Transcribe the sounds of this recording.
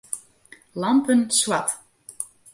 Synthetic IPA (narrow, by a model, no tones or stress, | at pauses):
lampənswat